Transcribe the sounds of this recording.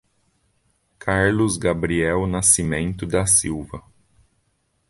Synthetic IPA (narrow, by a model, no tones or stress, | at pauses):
kʰaɾlʊzɡabɾiɛwnasimẽnt̪ʊd̪ɐsiwvɐ